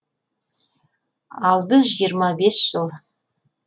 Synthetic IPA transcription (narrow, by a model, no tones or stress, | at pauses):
ɑlˠbɪzʒijəɾmɑbesʒ̥ɨlˠ